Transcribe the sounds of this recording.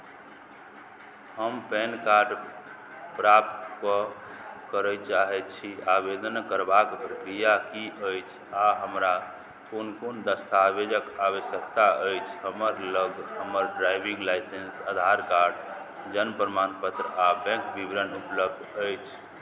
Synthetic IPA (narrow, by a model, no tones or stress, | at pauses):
həmpɛnkaɾɖ | pɾap̚t̪kəkəɾət͡ʃaɦɛt̪t͡ʃʰiabed̪ənkəɾbakpɾəkɾijakiʔəjt͡ʃʰ | aɦəmɾa | konkond̪əst̪ʰabed͡ʒəkaʋəsəkt̪aəjt͡ʃʰhəməɾləɡɦəməɾɖɾajbĩŋɡlaɪsensad̪ʱaɾkaɾɖ | d͡ʒənpɾəmanpət̪ɾəabɛ̃kbibɾənupləb̚d̪ʱəjt͡ʃʰ